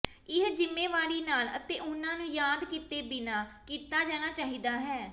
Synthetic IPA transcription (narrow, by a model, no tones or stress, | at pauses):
ɪɦd͡ʒɪmːeːʋaːɾiːnaːlə̰t̪eːʔʊnːãːnũːjaːd̪kiːt̪eːbɪnaːkiːt̪aːd͡ʒɛːñaːt͡ʃaːɦiːd̪aːɦɛː